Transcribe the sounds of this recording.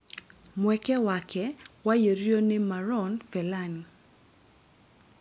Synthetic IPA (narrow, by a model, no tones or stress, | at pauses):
mwɛkɛwakʰɛwajoɾjonemaɾɔnfɛlan